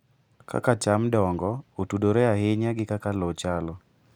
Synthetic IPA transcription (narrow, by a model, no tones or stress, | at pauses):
kʰa̰kat͡ʃamdɔŋɡɔotudoɾeaɦɪɲaɡɪkakalot͡ʃalɔ